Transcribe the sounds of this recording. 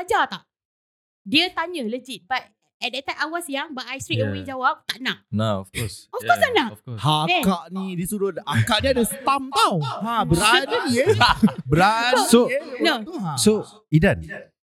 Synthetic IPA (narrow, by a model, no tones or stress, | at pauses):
ad͡ʒat̪aʔ | diət̪aɲələd͡ʒit̪̚bat̪̚ | ɛt̚dɛt̪ːajmawasjaŋbaʔajst̪ɾikkmwid͡ʒawap̚t̪aʔnaʔ̚naɔfkɔsɔfkɔsanaʔkɔhakkaʔnidisuɾʊt̪̚akaʔniadasə̥t̪amt̪awhãbəɾa | bəɾasonoso | idan